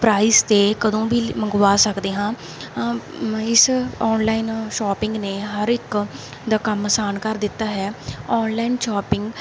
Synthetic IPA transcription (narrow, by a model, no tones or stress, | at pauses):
pɾaːiːst̪eːkəd̪õːbiːməŋɡʋaːsəkd̪eːɦãː | ɪsɔːnlaːiːnʃaːpɪŋɡneːɦəɾɪk | d̪aːkəməsaːnkəɾd̪ɪt̪ːaːɦɛːɔːnlaːinʃaːpɪŋɡ